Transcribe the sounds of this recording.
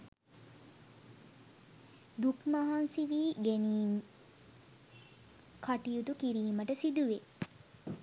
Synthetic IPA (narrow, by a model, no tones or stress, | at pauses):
d̪ukmaɦansiʋiːɡeniːn | kʰaʈijut̪ukiɾiːməʈəsid̪uʋe